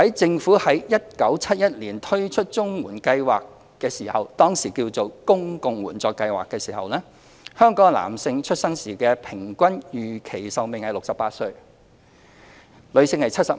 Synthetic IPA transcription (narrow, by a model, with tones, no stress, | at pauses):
hɐ˨˥jt͡sɪ˧ŋfuː˨˥hɐ˨˥jjɐ˥t̚kɐ˨˥wt͡sʰɐ˥t̚jɐ˥t̚liː˨˩nt̪ʰɵ˥ɥt͡ʃʰɵ˥t̚t͡ʃʊ˥ŋwuː˨˩nkɐ˧jwaː˨kː | ɛː˧siː˨˩hɐ˨wt̪ɔː˥ŋsiː˨˩kiː˧wt͡so˨wkʊ˥ŋkʊ˨˧ŋwuː˨˩nt͡sɔː˧kːɐ˧jwa̰ː˨kːɛː˧siː˨˩ɦɐ̰˨wlɛː˥ | hœː˥ŋkɔː˨˥ŋla̰ː˨˩msɪ˧ŋt͡ʃʰɵ˥t̚sɐ˥ŋsiː˨˩kɛː˧pʰɪ˨˩ŋkʷɐ˥njyː˨kʰe˨˩jsɐ˨wmɪ˨ŋhɐ˨jlʊ˨k̚sɐ˨pːaː˧t̚sɵ˧ɥ | lɵ˨˧ɥsɪ˧ŋhɐ˨jt͡sʰɐ˥t̚sɐ˨